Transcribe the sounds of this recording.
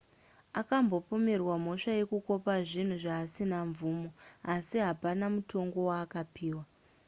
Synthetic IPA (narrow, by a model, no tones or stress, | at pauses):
akambo̞po̞me̞rwam̤o̞ʂaje̞kuko̞paʐin̤uʐaːsinaɱvuːmo̞asiɦapanamuto̞ŋɡo̞waːkapiːwa